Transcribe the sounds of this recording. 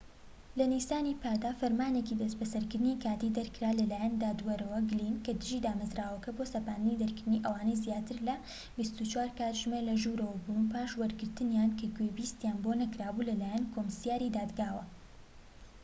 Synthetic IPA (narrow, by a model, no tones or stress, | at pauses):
lɐnisaːniːpʰaːd̪aːfɐɾmaːnecid̪ɐsbɐsɐɾkɨɾd̪ɨnikaːt̪iːd̪ɐɾkɨɾaːlɐlaːjand̪aːd̪wɐɾɐwɐɡlinkɐd̪ɨʒiːd̪aːmɐzɾaːwɐkɐboːsɐpaːnd̪ɨnid̪ɐɾkɨɾd̪ɨniʔɐwaːnɐjzjaːt̪ɨɾlɐ | bist̪ut͡ʃwaːɾkaːt̪ʒmelɐʒuːɾɐwɐbunpʰaːʃwɐɾɡɨɾt̪ɨnjaːnkʰɐɡwebiːst̪jaːnbonɐkɾaːbuːlɐlaːjankʰomsjaːɾid̪aːd̪ɡaːwɐ